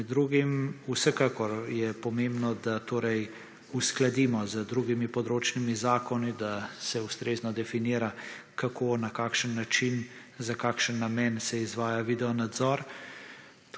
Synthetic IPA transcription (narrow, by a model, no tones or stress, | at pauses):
d̪ɾuːɡimusɛkakɔɾjɛpɔmembnɔd̪at̪oːɾɛj | usklad̪iːmɔzəd̪ɾuːɡimipɔd̪ɾoːt͡ʃnimizaːkɔnid̪asɛust̪ɾeːznɔd̪ɛfiniːɾakakʰoːnakaːkʃənːat͡ʃin | zakaːkʃənːamɛːnsɛizʋaːjaʋiːd̪ɛɔnad̪zɔɾ